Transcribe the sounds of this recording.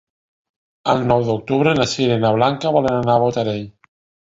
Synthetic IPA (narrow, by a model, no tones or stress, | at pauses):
alnɔwðok̚t̪uβɾenasiɾenaβlaŋkaβɔlenanaβot̪aɾej